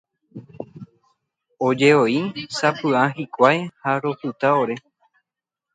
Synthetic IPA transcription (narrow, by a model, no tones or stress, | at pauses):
od͡ʒe̞oisapɨaɦikʷajhaɾo̞pɨt̪aoɾe̞